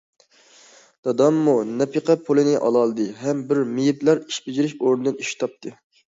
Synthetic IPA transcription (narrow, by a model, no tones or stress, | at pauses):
d̪̥ɑd̪ɑmːunɛpʰiqʰɛpʰolˠɨnɪʔɑ̰lˠɑlˠɨd̪ɨɦɛmbɪɾmijiplæɾiʃbɪd͡ʒiɾɪʃoɾnɨd̪ɨniʃt̪ʰɑp̚t̪ʰɨ